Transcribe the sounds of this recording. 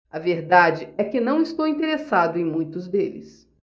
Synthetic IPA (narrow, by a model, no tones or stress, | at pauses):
ɐveɾd̪ad͡ʒɪɛkɪnɐ̃w̃ɪst̪owĩnt̪eɾesad̪ʊẽj̃mũj̃t̪ʊzd̪elɪ̰s